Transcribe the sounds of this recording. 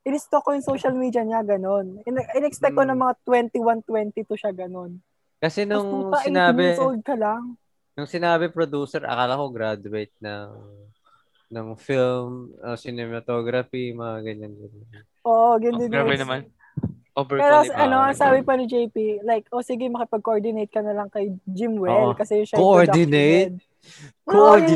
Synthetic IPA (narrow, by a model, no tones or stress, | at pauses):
ʔɪlɪst̪okojʊŋsowʃɐlmid̪jɐɲaɡɐno̞nɪnʔɪnɛkspɛk̚t̪konɐŋmɐŋat̪wɛnt̪iwant̪wɛnt̪it̪uʃaɡɐno̞n | kɐsɛnʊŋpɐsɪnaːnɪsʊʔod̪̚kɐlaŋ | nʊŋsɪnaːbɪpɾod̪uːsɛɹʔɐ̰kalɐkoɡɾad̪ʊwejt̪̚nɐŋ | nɐŋfilmosɪnɛmɐt̪oɡɾɐfimɐŋaɡɐɲanɡɐn | ʔoːʔoɡɐnd̪ɪnabɛɐman | ʔobpɛːɾoɐno̞ʔɐsaːbɪpɐnɪd͡ʒejpilajkʔosiɡɪmɐkɪpɐɡ̚koʔoɹd̪ɪnejt̪̚kɐnɐlɐŋkɐjd͡ʒɪmwɛkɐsɛjʊŋʃɐkoʔoɹdɪnejt̪̚ | kooɹ